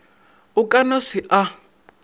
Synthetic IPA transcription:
ukʼanosiʔa

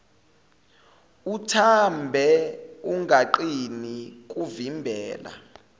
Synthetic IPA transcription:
utʰambʱɛuŋʱaǃinik̬ʼuvimbʱɛːla̰

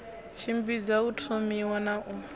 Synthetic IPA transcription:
t͡ʃʰimbid͡zautʰomiwanaʔu

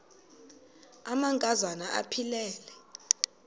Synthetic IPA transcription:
amaŋkʼazanaʔa̰pʰilɛːlɛ

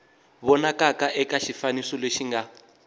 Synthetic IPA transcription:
βɔnakakaʔɛkaʃifanisɔleʃiŋɡa

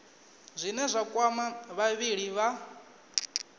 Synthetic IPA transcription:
zʷinɛzʷakʼwamaβaβiɺiβa

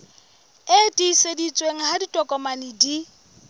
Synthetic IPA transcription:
etʼisedit͡sʼweŋ̩ɦaditʼɔkʼɔmanidi

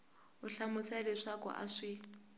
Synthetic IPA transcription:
ʊɬamʊsɛlɪʂakʼɔ̰ʔa̰ʂɪ

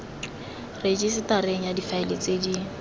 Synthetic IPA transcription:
red͡ʒisɪtaɾeŋ̩jadifaɪlet͡sʼedi

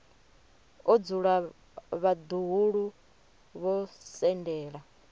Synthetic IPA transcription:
ɔd͡zuɺa | βad̪uɦuɺu | βɔsɛndɛːɺa

